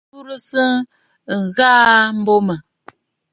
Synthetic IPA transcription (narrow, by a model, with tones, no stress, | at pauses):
u˦ɾə˦sə˦˨ | ŋ̩˨ɣa˦m̩˦bo˦mə˨